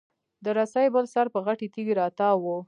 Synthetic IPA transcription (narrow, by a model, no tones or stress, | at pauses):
d̪əɾasajbəlsaɾpəɣaʈit̪iɡiɾɑt̪ɑwu